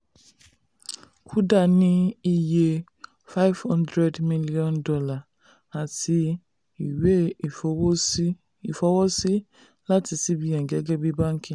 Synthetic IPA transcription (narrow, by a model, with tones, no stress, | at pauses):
kʰu˦da˦˨nĩ˦i˦je˦ | fa˦jv̥hɔ̃˦ndɾɛ˦dmi˦li˦ɔ̃˦ndɔ˦la˨ | a˨ti˧ | i˨we˦˨˦ | i˨fɔ˦wɔ˦si˦ | la˦ti˧˦si˦bi˦jã˨ɡɛ˦ɡɛ˦bi˦bã˦ŋ˦kĩ˨